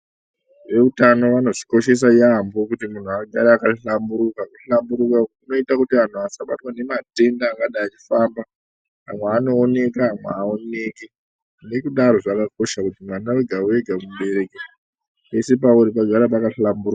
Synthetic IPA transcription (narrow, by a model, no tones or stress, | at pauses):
ʋe̞utano̞ʋano̞ʐiko̞ʃe̞s̬ajambo̞kutimun̤uaɡʱaɾaːkaɬambuɾukakuɬambuɾukakuno̞itakutian̤uasaɓatwane̞mate̞ndaːŋɡaɗaːt͡ʃi̥faːmba | amweano̞ːne̞kaːmweaone̞ke | ne̞kuɗaɾo̞ʐakako̞ʃakutimwanaeɡʱaueɡʱakumɓe̞ɾe̞ke | pe̞se̞pauɾipaɡʱaɾapakaɬamburɾuka